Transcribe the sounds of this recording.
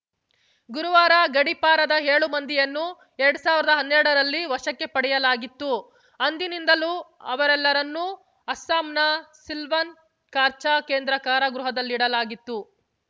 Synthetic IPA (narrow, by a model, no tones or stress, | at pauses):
ɡuɾuʋaːɾaɡɐɽipaːɾɐd̪ɐɦeːɭumɐnd̪ijɐnːu | ɛɾɐɽusaːʋiɾɐd̪ɐɦɐnːɛɾɽɐɾɐlːiʋɐʂɐkːe̞pɐɽɛjɐlaːɡit̪ːu | ɐnd̪inind̪ɐluɐʋɐɾɛlːɐɾɐnːu | ɐsːaːmnɐsilʋɐn | kaːɾt͡ʃaːke̞ːnd̪ɾɐkaːɾɐɡɾuɦɐd̪ɐlːiɽɐlaːɡit̪ːu